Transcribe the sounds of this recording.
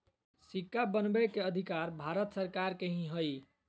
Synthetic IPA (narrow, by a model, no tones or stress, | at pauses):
sikːabənbekeəd̪ʱikaɾbʱaɾət̪səɾkaɾkeɦĩɦəj